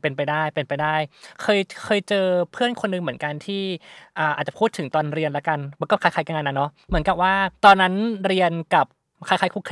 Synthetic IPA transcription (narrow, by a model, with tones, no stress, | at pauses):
pe˧npa˧jdaː˥˩jpe˧npa˧jdaː˥˩jkʰɤː˧jkʰɤː˧jt͡ɕɤː˧pʰɯ˥˩ənkʰo˧nːɯ˧ŋmɯ˩˦ənka˧nt̪ʰiː˥˩ʔaː˨˩ʔaː˨˩t̪̚t͡ɕa˨˩pʰuː˥˩t̪ʰːɯ˩˦ŋt̪ɔː˧nɾi˧ənlɛ˦˥ka˧nma˧˥kɔː˥˩kʰa˦˥jkʰa˧˥˩kaː˧ŋa˧nːa˦˥nːɔ˦˥mɯ˩˦nka˨˩p̚waː˥˩t̪ɔː˧nːa˦˥nɾi˧ənka˨˩p̚ | kʰa˧˥˩kʰaː˧˥jkʰu˥˩kʰ